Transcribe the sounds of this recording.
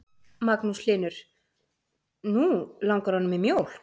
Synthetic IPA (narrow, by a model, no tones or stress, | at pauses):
maknuslɪːnʏɾ̥ | nulaŋkaɾ̥hanːʏmimjoːwl̥